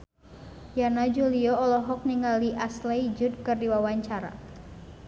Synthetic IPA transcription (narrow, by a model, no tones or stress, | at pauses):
janad͡ʒuliɔɔlɔɦɔk̚niŋaliʔaslɛid͡ʒʊd̪̚kɨrdiwawaɲt͡ʃaɾa̰